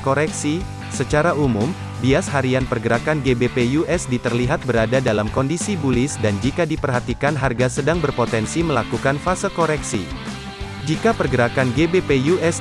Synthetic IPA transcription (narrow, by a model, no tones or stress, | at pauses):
koɾɛksi | sət͡ʃaɾaumum | biasɦaɾianpərɡəɾakanɡebepejuʔɛsdit̪ərliɦat̪̚bəɾadadalamkɔndisibulɪsdand͡ʒikadipərɦat̪ikanɦarɡasədaŋbərpot̪ɛnsiməlakukanfasəkoɾɛksḭ | d͡ʒikapərɡəɾakanɡebepejuʔɛs